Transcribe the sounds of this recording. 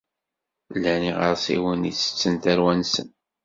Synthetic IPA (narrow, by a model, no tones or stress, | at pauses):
lːæniʁəɾsḭwəniːə̥t͡sːənt̪æɾwænsən